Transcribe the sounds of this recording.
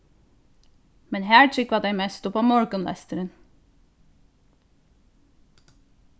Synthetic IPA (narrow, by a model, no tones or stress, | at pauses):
mɛnhæːɹʈʰʏkʋɑd̪æɪmeːst̪ʊpɑːmɔɹkənlɛ̰st̪əɾən